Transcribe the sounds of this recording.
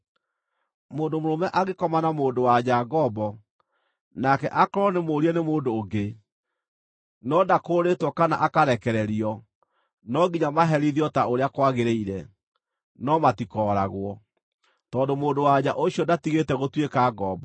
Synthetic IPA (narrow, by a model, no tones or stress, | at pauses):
moːndomoɾomɛʔaɣekɔmanamoːdowad͡ʑaɡɔbɔ | nakɛʔakɔɾɔnemoɾiɛnemoːndoːɡe | nɔdakoːɾetwɔkana̰ʔakaɾɛkɛɾɛɾiɔ | nɔɡiɲamaɦɛɾiðiɔtaoɾeakwaɣeɾeiɾɛ | nɔmatikɔɾa̰ɣwɔ | tɔːndomoːndowad͡ʑaʔoɕiɔdatiɣetɛɣotwekaɡɔbɔ